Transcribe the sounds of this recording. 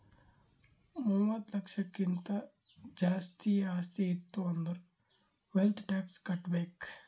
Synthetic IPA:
muwʋɐd̪lɐkʂɐkːint̪ɐ | d͡ʒaːst̪ijɐaːst̪jɐit̪ːuɐnd̪ɐɾu | ʋelt̪ʰʈaːkskɐʈbeːk

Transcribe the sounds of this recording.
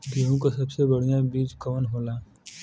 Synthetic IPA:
dʱiɦõkosɐbsebɐɽ̤ijabiːd͡ʒkɐʋənɦoːlaː

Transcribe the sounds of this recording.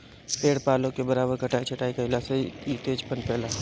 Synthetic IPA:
peːɽpaːlõkebɐɾaːbəɾkɐʈaːit͡ʃʰɐʈaːikaɦɪlaseit̪eːd͡ʒpənpɛːla

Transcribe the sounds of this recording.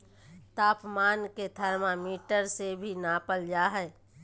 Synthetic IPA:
t̪aːpmaːnket̪ʰəɾmamiːʈəɾsebʱinaːpəld͡ʒaːɦɛː

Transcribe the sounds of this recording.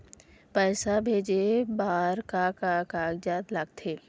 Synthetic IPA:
pɛːsabʱeːd͡ʒebaːɾkakakaːɡd͡ʒaːd̪laɡt̪ʰeː

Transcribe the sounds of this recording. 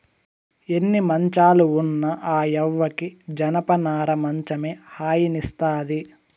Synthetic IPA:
e̞nːimɐɲt͡ʃaːluunːɐʔaːɛʋːɐkid͡ʒɐnɐpɐnaːɾɐmɐɲt͡ʃɐmeːhaːjinist̪aːd̪i

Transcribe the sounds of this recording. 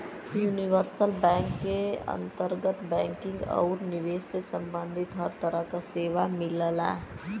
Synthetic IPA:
juːniʋəɾsəlbɛ̃ːŋkːeə̰̃nt̪əɾɡət̪bɛ̃ːŋkɪ̃ŋɡɔ̰ːɾnɪʋeːsesə̃mbə̃nd̪ʱɪt̪ɦəɾt̪əɾəɦkaseːʋamɪləlɛ̰

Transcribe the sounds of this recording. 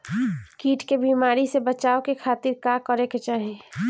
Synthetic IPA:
kiːʈʰkebiːmaːɾisebət͡ʃaːokekʰaːt̪ɪɾkakəɾeket͡ʃaːɦe

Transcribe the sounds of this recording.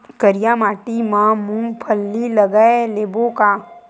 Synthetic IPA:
kəɾɪjamaːʈimãmũmpʰəlːiləɡəeleːbokaː

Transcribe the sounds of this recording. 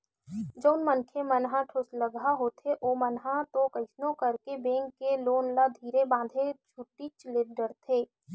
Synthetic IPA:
d͡ʒəʊnmənkʰemənɦãʈʰʊsləɡaɦot̪ʰeʔoːmənɦãt̪okɐɪsnõkɐɾkebẽːŋkːeloːnlad̪ʱiːɾebãːd̪ʱed͡ʒʰʱuʈːit͡ʃleɖəɾt̪ʰeː

